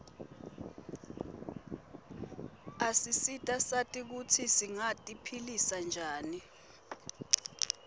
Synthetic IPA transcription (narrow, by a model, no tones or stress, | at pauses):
asisitʼasatʼik̬ut͡sʰisiŋatʼipʰilisand͡ʒʱaːni